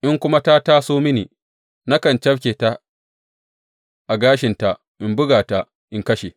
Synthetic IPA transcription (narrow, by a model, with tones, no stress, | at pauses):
ʔɪ˦ŋkʷʊ˦ma˦ta˦ta˦soː˦mɪ˦nḭː˨ | na˦kɐ˨nt͡ʃɐ˦fkʲeː˨ta˦ | ʔa˨ɡaː˦ʃɪ˨nta˨ | ʔɪ˨mbʊ˦ɡaː˨ta˨ | ʔɪ˨ŋkɐ˦ʃe˨